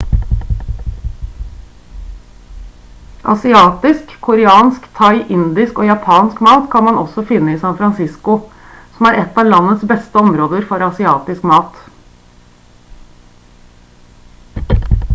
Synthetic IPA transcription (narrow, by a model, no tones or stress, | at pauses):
ʔɑ̰sɪɑːt̪ɪskʰʊɾɛɑːnskt̪ʰɑɪʔɪnd̪ɪskoːjɑpʰɑːnskmɑːt̪kʰɑnmɑnʔɔsɔfɪnːəiːsɑnfɾɑnsɪskʊ | sɔm̩æːɾʔɛt̪ːɑːʋlɑnːəsbɛst̪əɔmɾoːd̪əɾfɔɾɑsɪɑːt̪ɪskmɑːt̪